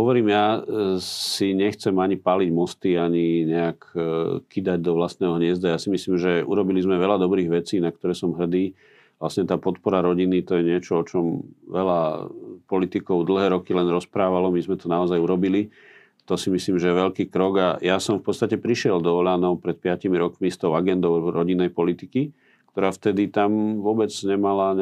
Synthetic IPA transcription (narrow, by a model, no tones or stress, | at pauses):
ɦɔʋɔɾiːmja | siɲɛxt͡sɛmaɲipaliɟmɔst̪iaɲiɲɛakkid̪aɟ̚d̪ɔʋlast̪nɛːɦɔɲɪɛzd̪ajasimisliːmʒɛṵɾɔbilizmɛʋɛlad̪ɔbɾiːɣʋɛt͡siːnak̚t̪ɔɾɛːsɔmɦr̩d̪iː | ʋlasɲɛt̪aːpɔt̪pɔɾaɾɔɟinit̪ɔjɛɲɪɛt͡ʃɔɔt͡ʃɔmʋɛlapɔlit̪ikɔʊd̪l̩ˠɦɛːɾɔkilɛnɾɔspɾaːʋalɔmizmɛt̪ɔnaɔzajuɾɔbili | t̪ɔsimisliːmʒɛjɛʋɛʎkiːkɾɔɡajasɔmfpɔt̪t͡st̪acɛpɾiʃɪɛld̪ɔɔlaːnɔʊpɾɛt̪̚pɪacimiɾɔkmist̪ɔʊaɡɛnd̪ɔʊɾɔɟinːɛjpɔlit̪iki | kt̪ɔɾaːft̪ɛd̪it̪amʋʊɔbɛd͡zɲɛmala